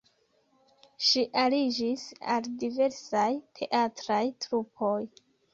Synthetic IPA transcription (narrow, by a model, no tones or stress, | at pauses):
ʃiʔalid͡ʒisa̰ldive̞ɾsajtʰe̞ʔatɾajtɾupʰo̞j